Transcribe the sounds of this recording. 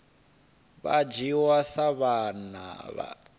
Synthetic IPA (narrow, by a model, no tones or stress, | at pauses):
βa̰d͡ʒiwasaβana̰βa̰